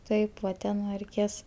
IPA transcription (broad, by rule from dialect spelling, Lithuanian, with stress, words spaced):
ˈtɐɪp ʋɐ ˈtʲɛn nʊ rʲɛɪˈkʲeːs